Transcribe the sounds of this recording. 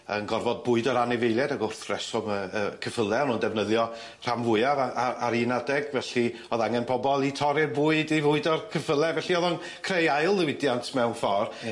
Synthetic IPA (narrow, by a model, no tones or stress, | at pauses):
ə̰nɡɔrvɔd̚bʊɨdɔɾanɪvejlˠjɛdaɡʊrθrɛsɔməəkʰəfəlˠɛɔnundɛvnəðjɔ | r̥amvʊɨjavaaaɾinadɛɡvɛɬi | ɔðaŋɛnpʰɔbɔlˠitʰɔɾɪbuɨdivʊɨdɔrkʰəfəlˠɛvɛɬiɔðɔn | kʰrejaɨlˠðɪwɪdjantʰmɛwnfɔr